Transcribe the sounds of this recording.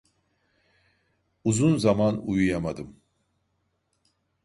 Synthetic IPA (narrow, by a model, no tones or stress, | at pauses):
uzunzamanujujamad̪ɯm